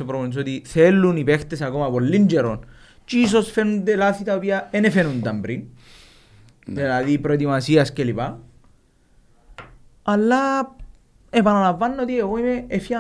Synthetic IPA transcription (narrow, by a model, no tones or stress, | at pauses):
opɾoponis̬ot̪iθelːunipext̪esakomɐpolːind͡ʒeɾon | t͡ʃis̬osfenund̪elaθit̪ɐopiaenefenund̪ɐmbɾin | d̪elaðipɾot̪̬imasiɐscelipa | alːa | epanalavːanːot̪ieɣojmeːfja